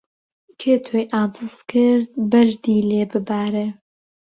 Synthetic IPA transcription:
kʰeːt̪ʰojʔaːd͡zɨskʰɨɾd̪̚bɐʒd̪iːleːbɨbaːɾeː

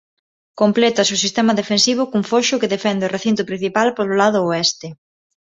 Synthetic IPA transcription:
komplɛt̪ɐsusist̪ɛmɐðefensiβ̞ʊkuŋfoʃʊkeðefɛnd̪eoreθint̪ʊpɾĩn̟θipalpololað̞ʊoɛst̪e

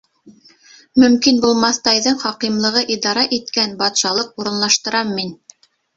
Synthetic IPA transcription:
mɵ̆mkinbulˠmɑθt̪ɑjðɤɴχɑqimlˠɤ̆ʁɤʔid̪ɑɾɑʔit̪kænbɑt̪ʃɑlˠɤq̚uɾɤ̆nlˠɑʃt̪ɤ̆ɾɑmːin

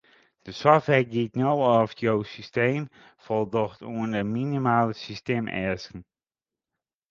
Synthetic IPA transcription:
d̥əsɔftʋɛɡitnowɔfjowsisteːm | fɔlˠdoxtʰuəndəminimaːlˠəsisteːmɛ̰skən̩

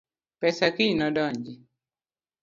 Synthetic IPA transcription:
pɛsakinɔdɔɲd͡ʒi

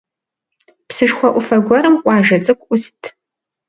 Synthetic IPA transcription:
psɨʃxʷɔʔʷʊfɐɡʷɔɾɨmqʷʼɑːʒɐt͡sʼɨkʷʼʔʊstʰ

